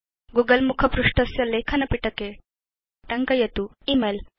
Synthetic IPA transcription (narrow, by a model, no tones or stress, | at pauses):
ɡuːɡɐlmukʰɐpɾuʂʈɐsjɐleːkʰɐnɐpiʈɐke | ʈɐŋkɐjɐt̪uimeːl